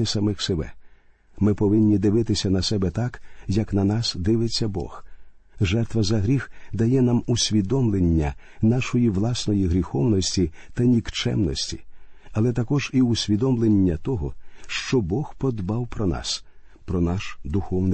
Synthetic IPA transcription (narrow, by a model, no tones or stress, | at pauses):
ɪsɐmɪxsebɛ̰ | mɪpɔʋɪnʲːid̪ɪʋɪt̪ɪsʲɐnɐsɛbɛt̪ɑkjɐknɐnɑsd̪ɪʋɪt͡sʲːɐbɔ̰xʒɛrt̪ʋɐzɐɦɾʲixd̪ɐjɛnamusʲʋʲid̪ɔmlˠenʲːɐ | nɑʃɔjiʋlˠɑsnɔjiɦɾʲixɔwnɔsʲtʲit̪ɐnʲikt͡ʃɛ̰mnɔsʲtʲḭɐlˠɛt̪ɐkɔʒiʊsʲʋʲid̪ɔmlˠenʲːɐt̪ɔɦɔʃt͡ʃɔbɔxpɔd̪bɑwpɾɔnɑ̰s | pɾɔnɑʃd̪ʊxɔwnɪ